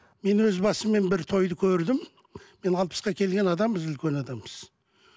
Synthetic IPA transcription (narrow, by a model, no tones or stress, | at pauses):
me̞nwɵzbɑsəmːe̞nbɪɾt̪ʰo̞jd̪əkʲʰɵɾd̪ɪmː | e̞nɑlˠpə̥sqɑkʲʰe̞lɡʲe̞nɑd̪ɑmbəzʏlkʲe̞nɑd̪ɑmbəz̥